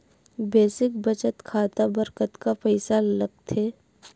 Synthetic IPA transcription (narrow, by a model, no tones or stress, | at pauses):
beːsɪkbɐt͡ʃət̪kʰaːt̪abɐɾkət̪kafɐɪsalɐɡ̚t̪ʰeː